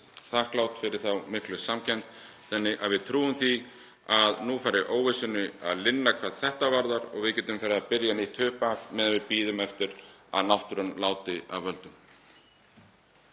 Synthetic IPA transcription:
θahklawt̪fɪɾɪɾ̥θawmɪhklʏsamcʰɛn̥t̪ | θɛnːɪʔaðvɪðt̪ʰɾuːʏmθi | aðnufaːɾɪʔoːwvɪsʏnʏa̰ðlɪnːakʰvaːðθɛht̪avaɾðaɾɔ̰ɣvɪðcɛːt̪ʏmfɛɾapɪɾjaniht̪ʰhʏːhpamɛːðanvɪpiːðʏmɛft̪ɪɾa̰ðnawht̪ɾʏnlaːwt̪ɪa̰ðvœlt̪ʏm

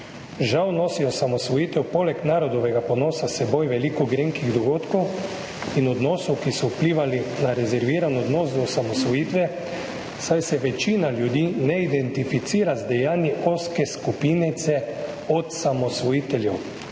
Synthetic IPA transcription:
ʒawnosiɔsamɔsʋɔjiːt̪ɛwpolɛknaːɾɔd̪ɔʋɛɡaponoːsasɛbojʋɛlikɔɡɾeŋkiɣd̪ɔɡoːt̪kow | inɔd̪noːsuwkisɔupliːʋalinaɾɛzɛɾʋiːɾanɔd̪noːs̬d̪ɔsamɔsʋɔjiːt̪ʋɛ | sajsɛʋɛt͡ʃiːnalʲjud̪iːnɛid̪ɛnt̪ifit̪siːɾazd̪ɛjaːniʔoskɛskupiːnit̪sɛ | ɔt̪samɔsʋɔjiːt̪ɛlʲjɛw

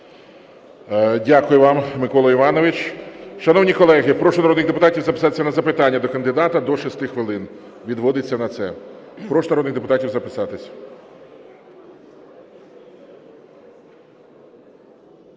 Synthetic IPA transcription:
dʲakʊjʊʋɑmmɪkɔlˠɔiʋɑnɔʋɪt͡ʃʃɐnɔwnʲikɔlˠɛɦɪpɾɔʃɔnɐɾɔd̪nɪɣd̪epʊt̪ɑtʲiwzɐpɪ̥sɑt̪e̥sʲɐnɐzɐpɪt̪ɑnʲːɐd̪ɔkɐnd̪ɪd̪ɑt̪ɐd̪ɔʃist̪ɪxʋɪlˠɪn | ʋʲid̪ʋɔd̪ɪt͡sʲːɐnɐt̪sɛpɾɔʃɔnɐɾɔd̪nɪɣd̪epʊt̪ɑtʲiwzɐpɪsɑt̪ɪsʲɐ̥

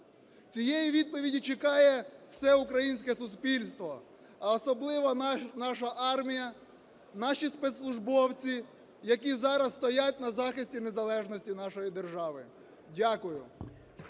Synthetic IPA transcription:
t͡sʲijejiʋʲid̪̚pɔʋʲidʲit͡ʃekɑjɛwsɛʊkɾɐjinʲsʲkɛsʊspʲilʲst̪ʋɔ | ɐɔsɔblˠɪʋɐnɑʃɐʔɑrmʲijɐ | nɑʃispet̪slˠʊʒbɔwt͡sʲi | jɐk̬ʲizɑɾɐsːt̪ɔjatʲnɐzɑxɪsʲtʲinezɐlˠɛʒnɔsʲtʲinɑʃɔjid̪erʒɑʋɪ | dʲakʊjʊ

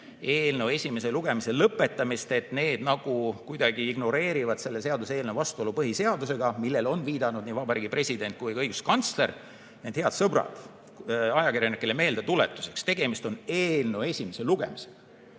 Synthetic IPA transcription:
e̞ːlnewe̞sʲime̞se̞luɡ̥e̞mise̞lɤpːˑe̞t̪ːˑɑmist̪e̞t̪ne̞ːd̪̥nɑɡ̥ukujd̪ɑɡ̥iiɡ̥no̞ɾe̞ːɾivɑd̪̥se̞lːe̞se̞ɑd̪use̞ːlnevɑst̪uo̞lupɤɦise̞ɑd̪use̞ɡ̥ɑmilːe̞lo̞nviːd̪̥ɑnud̪niːvɑbɑɾiːɡ̥ipre̞sʲid̪e̞nt̪̚kujɤjɡ̥uskɑnt̪sle̞r | ned̪̥he̞ɑd̪sɤbɾɑ̰d̪̥ | ɑjɑkirjɑnikːˑeleme̞ːld̪et̪ule̞t̪ːˑu̥sekst̪e̞ɡ̥e̞mist̪o̞neːlnewe̞sʲime̞se̞luɡ̥e̞̰mise̥

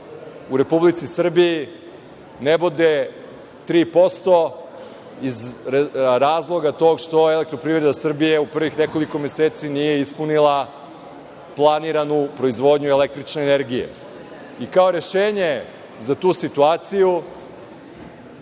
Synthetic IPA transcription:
uɾe̞publit̪sisr̩biji | nebod̪e̞ | t̪ɾiːpo̞st̪o̞ | iz | ɾaːzlˠo̞ɡat̪o̞ːɡʃt̪o̞elek̚t̪ɾo̞pɾiːvɾe̞d̪asr̩bije̞upr̩ʋixne̞ko̞liko̞me̞seːt̪sinije̞ispunilˠa | plˠaniɾanupɾo̞izʋo̞ːd̪ɲuele̞k̚t̪ɾit͡ʃne̞ːne̞ɾɡijḛ | ikao̞ɾe̞ʃeːɲe̞ | zat̪uːsit̪uaːt̪siju

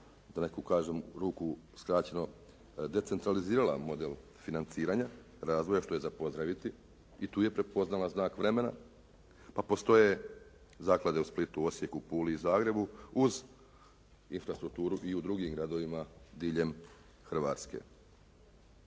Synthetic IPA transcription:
d̪ane̞kukaːʒemɾuːkuskɾaːt͡ɕe̞no̞ | d̪e̞t̪sent̪ɾaliziːɾala̰mo̞d̪e̞lˠ | finant̪siːɾaɲa | ɾaːzd̪ʋo̞jaʃt̪o̞jezapo̞zd̪ɾaʋit̪i | it̪uːje̞pɾe̞po̞znalaznaːkʋɾe̞me̞na̰ | papo̞st̪o̞je̞ | zaːklˠad̪e̞usplit̪uo̞sje̞kupuːliːzaːɡɾe̞buuz | infɾast̪ɾuk̚t̪uːɾuʔiud̪ɾuɡimɡɾad̪o̞ʋimad̪iːʎe̞m | xr̩ʋa̰ːt̪ske̞̰

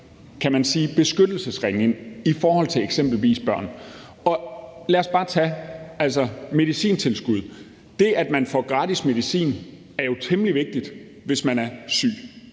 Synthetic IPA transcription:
kʰæmænsiːb̥e̝sɡ̥ød̥l̩səsʁeŋne̝ŋifɒːhɒ̽l̰t͡sʰe̝leɡ̥sem̰b̥l̩ʋḭːsb̥ɶɐ̰n | ɒ̽læɐsb̥ɑ̈ːt͡sʰææl̰sɒme̝ðˠisḭːnt͡sʰe̝lsɡ̥uð̞̰ˠ | d̥e̝ʔæd̥mænfɒɡ̥ʁɑ̈ːd̥isme̝ð̞ˠisḭːn | æɐjo̝t͡sʰemliʋe̝ɡ̥̚d̥id̥ | ʋe̝smænæɐsy̰ː

